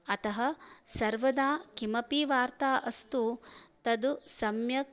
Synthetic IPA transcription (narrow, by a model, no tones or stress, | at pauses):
ɐt̪ɐɦɐsɐɾʋɐd̪aːkimɐpiːʋaːɾt̪aːʔɐst̪ut̪ɐd̪usɐmjɐ